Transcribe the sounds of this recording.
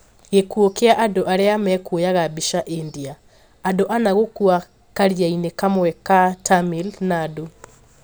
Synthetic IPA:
ɣekuokeaʔadoʔaɾeamɛkwojaɣabiʃaʔindiaː | doʔanaɣokua | kaɾiainekamoɛkatamilnaːdo

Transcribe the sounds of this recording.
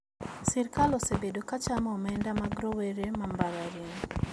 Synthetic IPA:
siɾkalɔsebedokat͡ʃamɔmɛndamaɡɾoweɾemambaɾaɾiŋ

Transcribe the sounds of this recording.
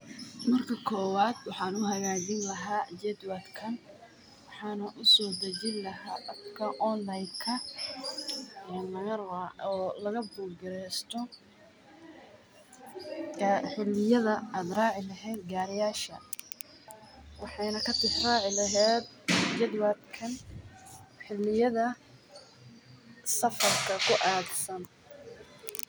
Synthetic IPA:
mɐrkʰɐkʰɔːwaːd̪wɑħɑːnʊɦɐɣaːd͡ʒɪnlɐɦaːd͡ʒɛd̪wad̪kʰɐn | wɑħɑːnɐʔʊsɔːd̪ɐd͡ʒɪnlɐɦaːʔɐbkʰɐʔɔnlɐjkʰɐ | ɛnlɐɣɐɔːlɐɣɐbʊːlɡɪɾɛst̪ʰɔ | ħɪlːɪjɐðɐaːd̪rɑːʕɪlɐɦɛːd̪ɡaːɾɪjaːʃɐ | wɑħɑjnɐkʰɐt̪ʰɪsraːʕɪlɐɦɛːd̪̚d͡ʒɐðwaːd̪kʰɐn | ħɪlːɪjɐðɐ | sɐfɐrkʰɐkʰʊʔaːɡsɐn

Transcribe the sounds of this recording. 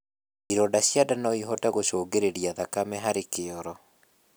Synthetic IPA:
iɾɔdaɕjadanɔiɦɔtaɣoʃoːɡeɾeɾiaðakamɛɦaɾekeɔɾɔ

